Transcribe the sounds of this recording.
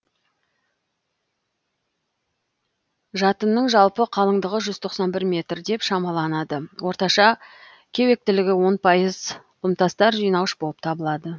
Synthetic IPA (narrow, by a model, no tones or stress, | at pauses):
ʒɑt̪ənːəɴʒɑlˠpəqʰɑlˠəɴd̪əʁəʒʏz̥t̪ʰo̞qsɑnbɪɾmʲe̞t̪rd̪e̞pʃɑmɑlˠɑnɑd̪əwʔo̞ɾt̪ɑʃɑ | kʲʰe̞we̞k̚t̪ɪlɪɡʲɪwo̞npʰɑjəzqʰəmt̪ɑst̪ɑɾʒijnɑwəʃbo̞lˠəp̚t̪ʰɑbəlˠɑd̪ə